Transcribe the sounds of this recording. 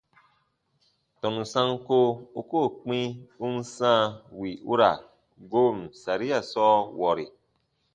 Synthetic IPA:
tɔ˨nũ˨sã˦ŋko˦u˧˦ko˦˨k͡pĩ˦u˦n˦sãː˦˨wi˨ʔu˦ɾa̰˨ | ɡo˦m̩˨sa˨ɾi˦a˨sɔː˦wɔ˨ɾi˨

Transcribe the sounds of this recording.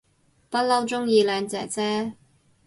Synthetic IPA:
pɐ˥t̚lɐ˥wt͡sʊ˥ŋjiː˧lɛː˨˧ŋt͡sɛ̰ː˨˩t͡sɛː˥

